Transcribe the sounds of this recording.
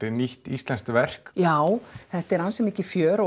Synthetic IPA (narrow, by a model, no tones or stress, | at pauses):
ɪniht̪ist̪lɛnst̪vɛr̥kjaːwθɛht̪ɛɾanːsɛmɪcːɪfjœːɾɔ